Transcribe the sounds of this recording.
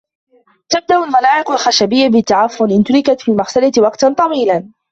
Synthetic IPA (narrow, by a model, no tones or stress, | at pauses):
t̪ab̚d̪aʔʊlmalaːʕɪqalxaʃabɪjːabɪt̪ːaʕafːʊlʔɪnt̪ʊlɪkat̪fiːlmaxsalat̪wɑqt̪ant̪ˤɑwiːlan